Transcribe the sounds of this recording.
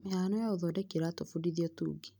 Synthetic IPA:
meanɔjaoðɔdɛkeɾatofudiðiɔtṵːɡi

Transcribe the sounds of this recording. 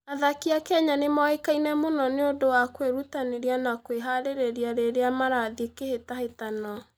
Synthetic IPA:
aðakiakɛɲanemɔekainɛmonɔneodowakweɾutaneɾeanakweɦaɾeɾeɾiaɾeɾeamaɾaðikehetahetanɔ

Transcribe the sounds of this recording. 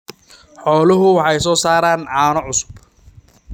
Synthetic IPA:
ħɔːlɐɦʊwɑħɑjsɔːsaːɾaːnʕɑːnɔʕʊsʊ̥b

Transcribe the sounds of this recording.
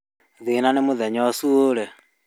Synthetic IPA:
ðenanemoðɛɲɔsuolɛ

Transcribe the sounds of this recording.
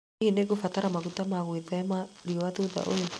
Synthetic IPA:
ineɣofataɾamaɣutamaɣweðaamaɾiɔwaðuða̰ʔojo

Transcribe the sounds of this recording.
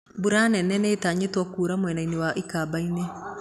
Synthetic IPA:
buɾanɛnɛneːtaːɲetwɔkuːɾamwɛnainewaʔikabaine

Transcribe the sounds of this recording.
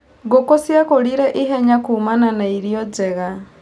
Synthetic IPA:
ɡɔkɔsiakɔɺiɾɛʔiɦɛɲakumananaiɾjɔd͡zɛɣa

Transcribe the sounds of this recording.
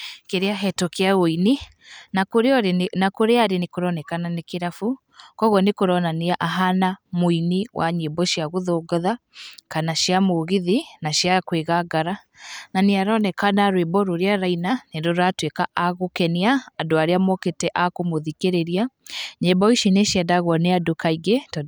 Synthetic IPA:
keɾeaɦɛtɔkeaɣoini | nakoɾeɔnakoɾeaɾenekoɾɔnɛkananekeɾafu | kɔɣwɔnekoɾɔnaneaʔaɦanamoiniwʔa̰ɲebɔʃiaɣoðoɡɔðakanaʃiamoɣiðinaʃiakweɣaɡaɾa | naneaɾɔnɛkanaɾwebɔɾoɾeaɾainanedoɾatwekaʔaɣokɛniaːdoaɾeamɔketɛʔakomoðikeɾeɾiaɲembɔiʃineʃiadaɣɔneadokaiɡɛtɔ

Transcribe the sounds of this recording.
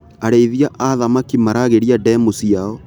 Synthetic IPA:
aɾeiðiaʔaðamakimaɾaɣeɾiadɛmusiaɔ

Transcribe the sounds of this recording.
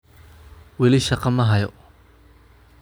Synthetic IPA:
wɛlɪʃɑqɑmɐɦɐjɔ

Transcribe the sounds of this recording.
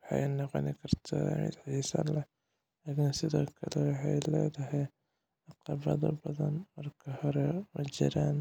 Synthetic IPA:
wɑħɑjnɔqɔnɪkʰɐrt̪ʰa̰mɪ̰d̪ʕisɐ̰lɛ | akɪnsɪðɔːkʰɐlɛwɑħɑjlɛ̰ːðɐɦɛj | ɑqɑβɐðɐ̰bɐðɐnmɐrkʰɐhɔɾɛmɐt͡ʃɪ̰ɾaːn

